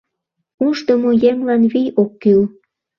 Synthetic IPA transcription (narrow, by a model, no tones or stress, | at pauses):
uʃt̪əmojemlɑnβijʔokːyl